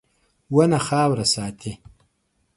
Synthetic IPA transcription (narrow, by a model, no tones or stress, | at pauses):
wɐnɐxaːwɾɐsaːt̪ʰi